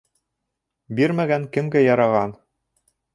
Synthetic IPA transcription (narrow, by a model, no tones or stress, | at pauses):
biɾmæɡæŋkɘ̆mɡæjɑɾɑʁɑn